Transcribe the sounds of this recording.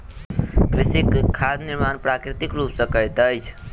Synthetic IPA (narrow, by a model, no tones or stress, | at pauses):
kɾisikkʰːad̪niɾmanpɾakɾit̪ikɾupsə̃kəjt̪əjt͡ʃʰ